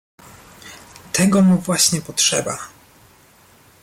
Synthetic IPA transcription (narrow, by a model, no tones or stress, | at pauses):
t̪ʰɛɡɔmuvwaɕɲɛpɔtʂɛ̰ba̰